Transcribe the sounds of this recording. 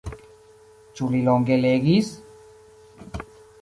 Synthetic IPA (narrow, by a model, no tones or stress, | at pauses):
t͡ʃuliloŋɡeleɡis